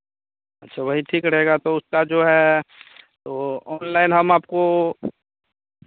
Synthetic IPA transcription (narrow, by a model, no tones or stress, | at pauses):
ɐtːʃʰaʋɐɦiʈʰiːkɾɐɦeːɡat̪oʊskad͡ʒoːɦɛ | t̪oɔːnlaɪnɦɐmaːpko